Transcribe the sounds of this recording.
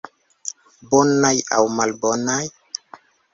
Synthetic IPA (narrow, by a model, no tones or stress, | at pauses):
bonaja̰wmalbonaj